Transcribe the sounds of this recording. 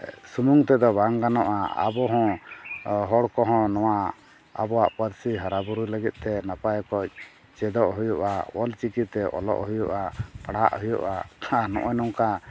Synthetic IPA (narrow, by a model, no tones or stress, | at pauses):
sumuŋt̪ɛd̪ɔbaŋɡanɔʔaa̰bɔɦɔ̃ | ɦɔɽkɔɦɔ̃nɔwa | a̰bɔwaʔpəɾsiɦaɾabuɾuləɡit̪̚ˀt̪ɛnapajkɔc̚ | t͡ʃɛd̪ɔʔɦujuʔa̰wɔlt͡ʃikit̪ɛʔɔ̰lɔ̰ʔɦujuʔapaɽa̰ʔhujṵʔaanɔ̰̃ʔɔnɔŋka